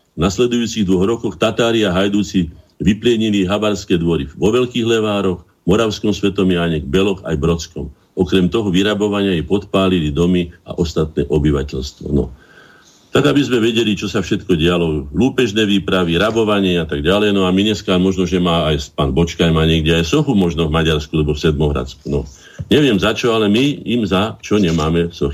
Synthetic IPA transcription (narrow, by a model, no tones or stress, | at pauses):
naslɛd̪ujuːt͡siɣd̪ʋɔɣɾɔkɔxt̪at̪aːɾiaɦajd̪uːt͡siʋiplɪɛɲiliɦabaɾskɛːd̪ʋɔɾiʋɔʋɛlkiːɣlɛʋaːɾɔx | mɔɾaʊskɔmsʋɛt̪ɔmiaɲɛɡbɛlɔxa̰jbɾɔt͡skɔm | ɔkɾɛmt̪ɔɦɔʋiɾabɔʋaɲɪajɛpɔt̪paːlilid̪ɔmia̰ʔɔst̪at̪̚nɛ̰ːʔɔbiʋa̰cɛʎst̪ʋɔ̰nɔ̰ | t̪aɡabizmɛʋɛɟɛlit͡ʃɔsafʃɛt̪kɔɟɪalɔluːpɛʒnɛːʋiːpɾaʋiɾabɔʋaɲɪɛat̪aɡɟalɛjnɔamiɲɛskaːmɔʒnɔʒɛmaːjspaːnbɔt͡ʃkaɲmaːɲɛɡɟɛajfsɔxumɔʒnɔvmaɟaɾskualɛbɔfsɛd̪̚mɔɦɾa̰t͡skunɔ̰ | ɲɛʋɪɛmzat͡ʃɔalɛmiːmzat͡ʃɔɲɛmaːmɛfsɔxi